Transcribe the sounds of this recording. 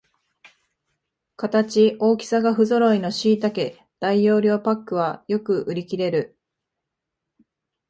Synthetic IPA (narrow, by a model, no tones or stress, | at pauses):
kat̪at͡ɕiʔo̞ːkʲi̥saɡaɸɯ̟zo̞ɾo̞ino̞ɕiːt̪ake̞ | d̪̥aijo̞ːɾʲo̞ːpakːɯ̟βajo̞kɯ̟ʔɯ̟ɾʲikʲiɾe̞ɾɯ̟